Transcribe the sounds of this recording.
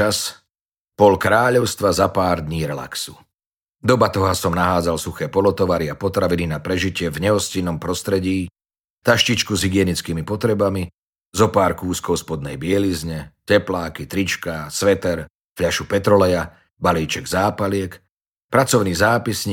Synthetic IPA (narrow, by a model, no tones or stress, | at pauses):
as | pɔlkɾaːʎɔʊst̪ʋazapaːɾd̪ɲiːɾɛla̰ksu | d̪ɔbat̪ɔɦasɔmnaɦaːd͡zalsuxɛːpɔlɔt̪ɔʋaɾiapɔt̪ɾaʋininapɾɛʒicɪɛvɲɛɦɔscinɔmpɾɔst̪ɾɛɟiː | t̪aʃcit͡ʃkuzɦiɡɪɛnit͡skiːmipɔt̪ɾɛbami | zɔpaːɾkuːskɔʊspɔd̪nɛjbɪɛlizɲɛcɛplaːkit̪ɾit͡ʃkasʋɛt̪ɛɾ | fʎaʃupɛt̪ɾɔlɛja | baliːt͡ʃɛɡzaːpalɪɛk | pɾat͡sɔʊniːzaːpisɲ